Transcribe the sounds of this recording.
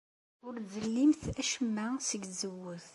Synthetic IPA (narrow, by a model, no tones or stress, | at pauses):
ʊɾzəlːimθæʃəmːæsəɡzəwːəθ